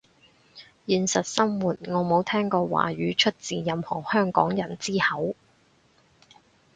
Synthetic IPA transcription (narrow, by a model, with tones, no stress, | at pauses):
jiː˨˧nsɐ˨t̚sɐ˥mwuː˨t̚ŋɔː˨˧mo˨˥wt̪ʰɛː˥ŋkɔː˧wa̰ː˨˩ɥyː˨˧t͡ʃʰɵ˥t̚t͡siː˨jɐ˨mhɔ̰ː˨˩hœː˥ŋkɔ̰ː˨˥ŋjɐ˨˩nt͡siː˥hɐ˨˥w